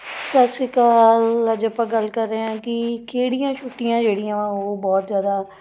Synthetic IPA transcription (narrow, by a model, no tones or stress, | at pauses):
səseːkaːləd͡ʒəpãːɡəlkəɾːeãːkɪkʰeːɽijãːt͡ʃʰʊʈːijãːd͡ʒeːɽijãːoːbɔːt̪zjaːd̪aː